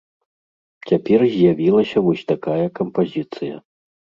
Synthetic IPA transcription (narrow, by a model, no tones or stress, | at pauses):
t͡sʲapʲɛrzʲjavʲilˠɐsʲɐvɔsʲt̪akajɐkɐmpazʲit̪sɨjɐ